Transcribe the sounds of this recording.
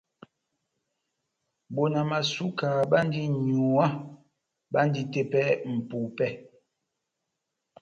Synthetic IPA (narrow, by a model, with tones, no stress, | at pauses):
bo˨na˨ma˨su˦kaː˨ɓa˦n˦di˦ɲu˨a˦ | ba˦n˦di˦te˦pɛ˦m̩˨pu˨pɛ˦˨